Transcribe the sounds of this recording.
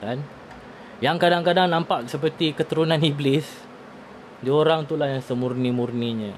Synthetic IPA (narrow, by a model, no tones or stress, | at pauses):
kan | jaŋkadaŋkadaŋnãmpaʔsəp̬ərt̪ikət̪əɾunãniblɪs | dioɾaŋt̪ulahjaŋsəmurnimurniɲə̃